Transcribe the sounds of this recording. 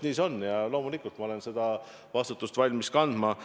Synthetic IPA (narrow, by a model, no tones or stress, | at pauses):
niːso̞nːjɑlo̞mulikːˑult̪mɑo̞le̞nsed̪̥ɑ | vɑst̪ut̪ːˑust̪vɑlʲmiskɑnd̪̥mɑ